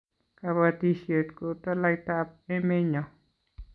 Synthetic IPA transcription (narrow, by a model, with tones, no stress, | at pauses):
ka˧βa˧t̪i˧ʃje˧t̪ko˧t̪a˦la˧jt̪a˦p̚e˦mẽ˦ɲã˨